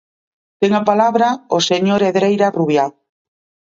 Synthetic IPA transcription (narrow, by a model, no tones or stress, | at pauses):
t̪eŋapalaβɾaoseɲoɾeðɾejɾaruβjal